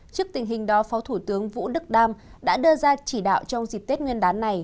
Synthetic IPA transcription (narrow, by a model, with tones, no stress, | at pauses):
t͡ɕɨ˦˥ək̚t̪ï˨˩ŋ̟ɦï˨˩ŋ̟ɗɔ˨˦fɔ˨˦wt̪ʰu˧˩t̪ɨ˨˦əŋvṵ˧˥ɗɨ˦˥k̚ɗaː˧mɗa̰ː˧˥ɗɨ˧əzaː˧t͡ɕi˧˩ɗa̰ː˧˨wt͡ɕɔ˧wŋ͡mzi˨˩k̚t̪e˦˥t̚ŋwi˧ənɗaː˨˦nːa˨˩j